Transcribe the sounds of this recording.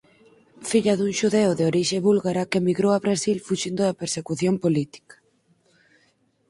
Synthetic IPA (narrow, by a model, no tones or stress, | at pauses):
fiʎɐðuŋʃuðeʊðeoɾiʃeβulɣaɾakemiɣɾowaβɾasilfuʃind̪ʊðɐpeɾsekuθjompolit̪i̥kḁ